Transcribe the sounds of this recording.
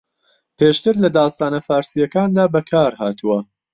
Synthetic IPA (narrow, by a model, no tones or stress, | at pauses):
pʰeːʃt̪ɨɾlɐd̪aːst̪aːnɐfaːɾsijɐkaːnd̪aːbɐkʰaːɾhaːt̪ʰuwɐ